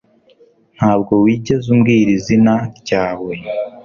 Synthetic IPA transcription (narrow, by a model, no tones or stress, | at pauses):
n̥haːbɡo̞wiːɟe̞zumɡiːɾizinaɾɟaːwe̞